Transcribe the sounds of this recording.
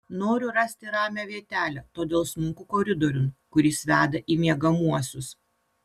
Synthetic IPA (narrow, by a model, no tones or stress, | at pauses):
noːɾʲʊɾɐsʲt̪ʲɪɾɑːmʲæʋʲiɛt̪ʲæːlʲɛt̪oːd̪ʲeːlˠsmʊŋkʊkoːɾʲɪd̪ɔɾʲʊnkʊɾʲɪsʋʲæːd̪ɐʔiːmʲiɛɡɐmuɔsʲʊs